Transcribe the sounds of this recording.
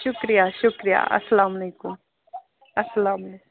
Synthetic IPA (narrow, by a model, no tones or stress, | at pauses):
ʃʊkɾijaːʃʊkɾija̰ʔɐ̰sːɐlaːmɐleːkʊm | ɐsɐlaːmɐleːk